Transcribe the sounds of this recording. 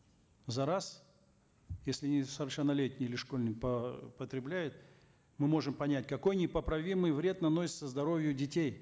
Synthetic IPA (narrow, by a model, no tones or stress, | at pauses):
zɐɾas | jesʲlʲɪnʲɪsəvrʂɨnːɐlʲetʲnʲɪɪlʲɪʂkolʲnʲɪkpəpət̪ɾʲɪblʲæjʊt̪ | mɨmo̞ʐɨmpɐnʲæt̚ʲkɐko̞jnʲɪpəpɾɐvʲimɨjvɾʲe̞d̪nɐno̞sʲɪ̥t̪səzd̪ɐɾo̞vʲjʊdʲɪtʲej